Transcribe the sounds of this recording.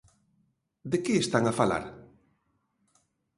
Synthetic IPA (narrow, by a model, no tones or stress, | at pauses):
d̪ekeːst̪aŋafala̰ɾ